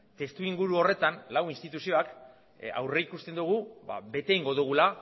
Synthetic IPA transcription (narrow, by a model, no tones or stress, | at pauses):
t̪e̞st̪uiŋɡuɾuo̞re̞t̪anlawinst̪it̪usio̞ak | a̰wre̞ikust̪e̞nd̪uɣ̞uba̰be̞t̪e̞iŋɡo̞ðuɣ̞ula